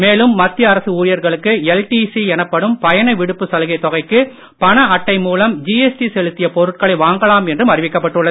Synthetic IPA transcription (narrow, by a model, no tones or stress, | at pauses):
meːlɯmːɐt̪ːɪjɐɐɾɐsɯuːɾɪjɐɾɣɐɭɯkːɯɛlʈisiɛnɐpːɐɽɯmpɐjɐnɐɪʋɪɽɯpːɯsɐlɣɐɪt̪ːɔɣɐɪkːɯ | pɐɳɐɐʈːɐɪmuːlɐmd͡ʒiːɛsʈisɛɻɯt̪ːɪjɐpɔɾɯʈ̚kɐɭɐɪʋaːŋɡɐlaːmɛndrɯmɐrɪʋɪkːɐpːɐʈːɯɭːɐð